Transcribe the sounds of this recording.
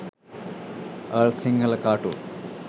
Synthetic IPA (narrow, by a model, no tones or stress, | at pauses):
əlsiŋɡəlkaːʈṵ